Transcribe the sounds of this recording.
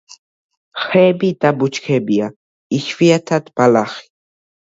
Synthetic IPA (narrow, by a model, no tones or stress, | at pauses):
xeːbit̪abʊt͡ʃkʰebia | iʃfiat̪ʰat̪palaχi̥